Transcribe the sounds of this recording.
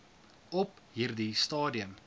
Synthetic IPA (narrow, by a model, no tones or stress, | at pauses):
ɔp | ɦiːrdistɑːdiəm